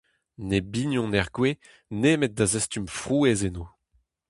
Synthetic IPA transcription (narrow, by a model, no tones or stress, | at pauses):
nebiɲjɔ̃nɛʁɡwe | neːmet̪̚d̪azɛst̪ymfʁuːezenoː